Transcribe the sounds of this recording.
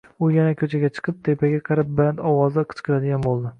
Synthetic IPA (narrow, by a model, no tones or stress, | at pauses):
ʊjanakʲʰɵt͡ʃʰaɡʲat͡ʃʰɨ̥qʰɨp̚t̪ʰepaɡʲaqʰɨɾap̚band̪ɒwɒzɪqʰɨ̥t͡ʃqʰɨlad̪ɪɡʲanbolˠd̪ɪ